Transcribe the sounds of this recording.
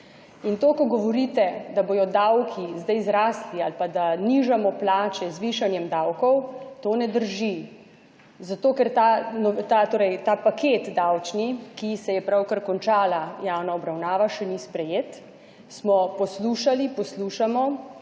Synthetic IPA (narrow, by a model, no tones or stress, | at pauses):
int̪oːkɔɡɔʋɔɾit̪ɛd̪aboːjɔd̪awkʰizd̪ajzɾaːslialpad̪aniʒamɔplaːt͡ʃɛzʋiʃanjɛmd̪awkɔwt̪oːnɛd̪əɾʒi | zat̪oːkɛɾt̪anɔt̪at̪oːɾɛjt̪aːpakeːt̪d̪awt͡ʃnikisɛjɛpɾawkəɾkɔnt͡ʃaːlajawnaɔbɾawnaːʋaʃɛnispɾɛjeːt̪ | smɔpɔsluːʃalipɔsluʃamɔ